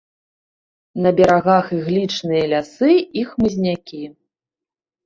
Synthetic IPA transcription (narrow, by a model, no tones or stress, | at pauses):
nɐbʲɛɾaɣaxiɣlʲit͡ʂnɨjɐlʲasɨixmɨzʲnʲakʲi